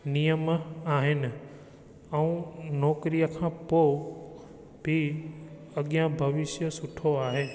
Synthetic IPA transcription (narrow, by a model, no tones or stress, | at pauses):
nijəmaːɦɪnɪ̆ | ɛũnɔːkɾijəkʰãːpo | bʱi | ɐɠijãbʱɐʋɪʃjəsʊʈʰoaːɦeː